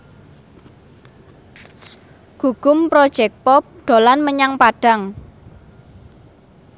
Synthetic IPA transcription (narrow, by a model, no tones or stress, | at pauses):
ɡ̥uɡ̥ʊmpɾɔd̥ʒ̥ɛk̚pɔp̚ɖ̥o̤lanməɲaŋpaɖ̥a̤ŋ